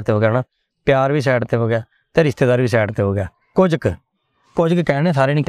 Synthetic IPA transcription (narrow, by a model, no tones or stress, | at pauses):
t̪eːɦoːɡaːnaː | pjaːɾʋiːs̬ɛːɽt̪eːɦoːɡɪjaː | t̪eːɾɪst̪eːd̪aːɾbiːs̬ɛːɽt̪eːɦoːɡejaː | kod͡ʒk | kod͡ʒkkɛːñeːsaːɾeːnĩːk